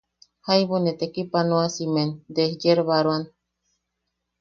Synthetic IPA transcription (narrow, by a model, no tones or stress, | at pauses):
hajβonet̪ekipanoasimend̪ehjeɾβaɾwan